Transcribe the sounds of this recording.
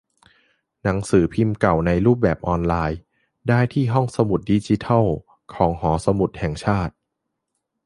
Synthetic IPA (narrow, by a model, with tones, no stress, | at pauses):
na˩˦ŋsɯː˩˦pʰi˧mka˨˩wna˧jɾuː˥˩p̚bɛː˨˩p̚ʔɔː˧nlaː˧j | daː˥˩jt̪ʰiː˥˩ɦɔ˥˩ŋsa˧mu˨˩t̪̚di˧t͡ɕi˧˦t̪ʰa˥˩w | kʰɔː˩˦ŋɦɔː˩˦sa˧mu˨˩t̪̚hɛ˨˩ŋt͡ɕʰaː˥˩t̪̚